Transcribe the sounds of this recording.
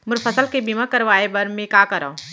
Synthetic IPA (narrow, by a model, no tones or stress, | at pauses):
mʊɾfʰɐsəlkebimãkɐɾʋaːebɐɾmẽkaːkɐɾa̰